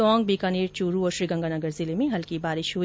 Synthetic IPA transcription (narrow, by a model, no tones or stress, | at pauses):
ɔːŋɡ̚biːkaːniːɾt͡ʃuːɾuɔːɾʃɾiːɡɐ̃ŋɡanɐɡəɾzɪlemẽɦɐlkibaːɾɪʃɦu